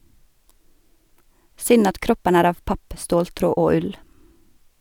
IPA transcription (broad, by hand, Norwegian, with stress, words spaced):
ˈsʏn ˈɑt ˈkɾɔpən ˈæːɾ ˈɑːʋ ˈpɑp ˈstoːlˌtɾoː ˈoː ˈʉl